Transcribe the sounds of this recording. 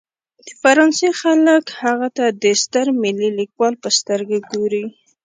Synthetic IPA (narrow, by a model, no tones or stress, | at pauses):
d̪̥əfaɾɑnsexaləkhaɣat̪ad̪əst̪əɾmɪlilikwɑlpəst̪əɾɡaɡoɾi